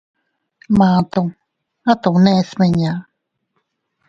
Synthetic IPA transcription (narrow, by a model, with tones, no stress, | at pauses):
mã˨t̪o˧ŋ | a˦t̪o˨ŋne˦˧sme˧ɲa˨